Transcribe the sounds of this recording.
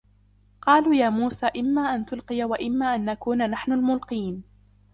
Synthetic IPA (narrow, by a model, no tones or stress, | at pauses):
qɑːluːjaːmuːsaːʔɪmːaːʔant̪ʊlqɨjawaʔɪmːaːʔanʔakuːnanaħnʊlmʊlqiːn